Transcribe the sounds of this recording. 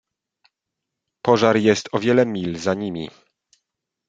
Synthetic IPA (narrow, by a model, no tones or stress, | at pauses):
pɔʐaɾjɛst̪ɔvʲjɛlɛmʲilzaɲimʲḭ